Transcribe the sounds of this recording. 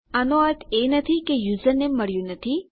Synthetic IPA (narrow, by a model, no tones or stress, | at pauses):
ənoət̪ʰenət̪ʰikejuzənːeməɽjũnət̪ʰi